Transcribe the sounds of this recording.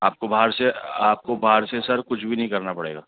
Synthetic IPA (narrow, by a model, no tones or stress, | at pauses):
aːp̚kobʱaɦəɾseaːp̚kobaːɦəɾsesɐɾkʊt͡ʃʰbʱinɐɦĩkɐɾnapɐɽḛːɡaː